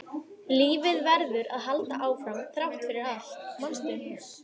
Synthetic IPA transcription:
liːvɪðvɛɾðʏɾaðɦalt̪a̰ʔaːwfɾamθɾawht̪fɪɾɪɾasmanst̪ʏ

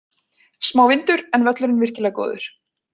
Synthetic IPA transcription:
smaːwvɪnt̪ʏɾɛnvœt̪lʏɾɪnvɪr̥cɪlɛːɣkɔ̰ːðʏ̰ɾ̥

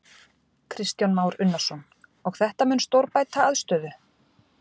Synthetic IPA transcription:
kʰɾɪst̪jɔnmaːwɾʏnːasɔn | ɔɣθɛht̪amʏnst̪owɾpaːjt̪aaðst̪œːðʏ

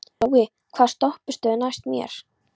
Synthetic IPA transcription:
owɪ | kʰvaːðɾ̥st̪ɔhpʏ̥st̪œːðɪnajst̪mjɛ̰ɾ̥

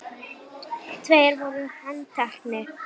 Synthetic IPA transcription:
t̪ʰveːjɾvɔɾʏhant̪ʰahknɪɾ̥

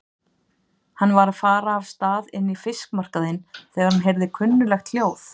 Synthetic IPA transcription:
hanːvaɾaðfaːɾaːv̥st̪aːðɪnːifɪskmar̥kaðɪnθɛːɣaɾ̥hanɦɛɾðɪkʰvʏnːʏlɛxt̪ʰl̥joːwθ

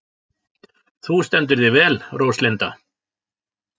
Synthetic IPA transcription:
θust̪ɛnt̪ʏɾðɪvɛːlroːwslɪnt̪a̰

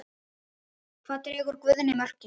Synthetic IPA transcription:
kʰvaːt̪ɪɾɛɣʏɾkvʏðnɪmœr̥cɪ

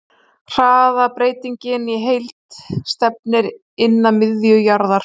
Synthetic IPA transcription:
r̥aːðapɾeːjt̪iɲcɪniɦejlt̪st̪ɛp̚nɪɾ | ɪnːamɪðjʏjaɾðaɾ̥

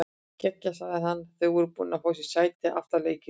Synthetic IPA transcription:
cɛcːasaɣðɪhanːθœvɔɾʏɾpṵːnafɔwsɪsaːjt̪ɪʔa̰ft̪aleːjcɪ

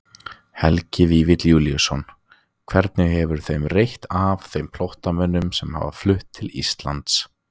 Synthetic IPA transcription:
hɛlcɪviːvɪt̪ljuːlijusɔn | kʰvɛɾt̪̚nɪɦɛvʏɾ̥θejmrejht̪avθejmpʰlɔwht̪amœnːʏmsɛmha̰va̰flʏht̪ʰːɪlḭst̪la̰nt̪s

